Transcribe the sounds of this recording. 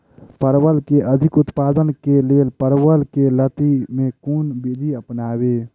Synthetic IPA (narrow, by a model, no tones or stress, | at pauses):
pəɾwəlkeʔəd̪ʱɪkʊt̪paːd̪ənkeleːlpəɾwəlkelət̪imẽkunbid̪ʱiəpnaːbe